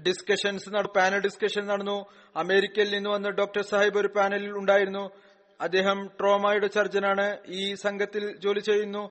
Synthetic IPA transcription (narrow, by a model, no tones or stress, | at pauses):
ɖiskɐʂɐnsnɐpaːnɐlɖiskɐʂɐnnɐɽɐnːu | ɐme̞ːɾikʲːɐjilninːuʋɐnːɨɖo̞ːk̚ʈɐrsɐːhɐjbo̞ɾupaːnɐliluɳɖaːjiɾunːu | ɐd̪ːe̞ːɦɐmʈro̞ːmaːjuɽe̞t͡ɕɐrt͡ɕɐnaːɳɨiːsɐŋɡʱɐt̪ːilt͡ɕo̞ːlit͡ɕːe̞jːunːu